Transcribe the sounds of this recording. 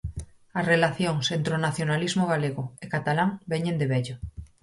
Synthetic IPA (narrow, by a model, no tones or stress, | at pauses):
ɐsrelaθjoŋsent̪ɾonaθjonalizmoɣaleɣoekat̪alaŋbeɲẽnd̪eβɛʎo